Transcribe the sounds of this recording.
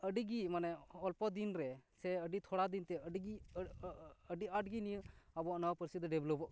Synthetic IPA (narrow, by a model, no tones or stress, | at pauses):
əɖiɡimanɛɔlpɔd̪inɾɛsɛəɖit̪ʰɔɽad̪int̪ɛəɖiɡi | əɖiaʈɡinijəabɔnawpəɾsid̪ɖɛblɔbɔʔ